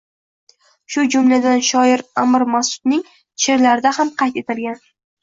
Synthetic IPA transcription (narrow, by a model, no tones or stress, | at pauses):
ʃʊd͡ʒʊmlad̪anʃɒɪɾamɪɾmasʊ̥d̪̚nɪŋ | t͡ʃʰeɾlaɾɪd̪ahamqʰɑjt̪e̞t̪ɪlɡʲan